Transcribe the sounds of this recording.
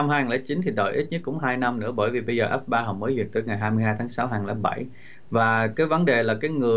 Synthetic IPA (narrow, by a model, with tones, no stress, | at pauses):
wŋ͡mɦaː˧jhŋlaː˧˩˦t͡ɕi˨˦nt̪ʰi˨˩ɗə̰˧˩jʔi˦˥t̚ɲɨ˦˥k̚kʊ̰˧˥ŋ͡mɦaː˧jna˧mnɨ̰˧˥əɓəː˧˩jvi˨˩ɓə˧jzəː˨˩ʔɛ˦˥p̚ɓaː˧ɦɔ̰˧˨˩məː˨˦jzḭ˨˩ət̚t̪əː˨˦jŋa˨˩jɦaː˧jmɨ˧jɦaː˧jt̪ʰaː˨˦ŋsa˨˦wɦaː˨˩ŋla̰ː˧˩ɓa˧˩j | vaː˨˩kaː˨˦jvə˨˦nɗe˨˩laː˨˩kaː˨˦jŋɨ˨˩ə